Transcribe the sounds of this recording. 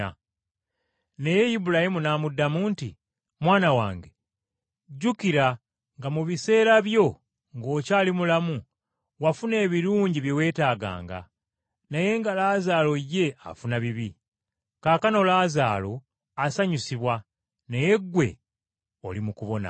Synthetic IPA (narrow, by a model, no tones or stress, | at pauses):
ne̞je̞jibulahimunaːmudːamuːntḭ | mwaːnawaːŋɡe | ɟukiɾa | ŋɡamuβise̞ːɾaβjo̞ | ŋɡo̞ːcaːlimulamu | wafune̞ːβiɾuːɲɟiβje̞we̞ːtaːɡa̰ːŋɡa̰ | naje̞ŋɡalaːzaːlo̞je̞a̰funaβiβi | kaːkano̞laːzaːlo̞ | asaɲusiβwa | ne̞je̞ɡwe̞̰ | o̰limukuβo̞na̰